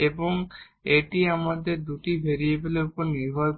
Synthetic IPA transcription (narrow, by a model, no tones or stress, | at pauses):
eboŋ | eʈiamad̪eɾd̪uʈibʱeɾijebeleupoɾniɾbʱɔɾ